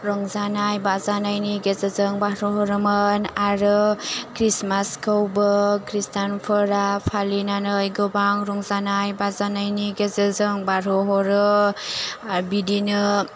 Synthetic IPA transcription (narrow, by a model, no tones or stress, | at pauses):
ɾɔŋzanajbazanajniɡezəzɯŋbaɾɔɦɔɾɯmɯnaɾɯkɾismaskɯwbɯkɾistanpʰɯɾapʰalinanɯjɡɔbaŋɾɔŋzanajbazanajniɡezəzɯŋbaɾɔɦɔɾɯ | bidinɯ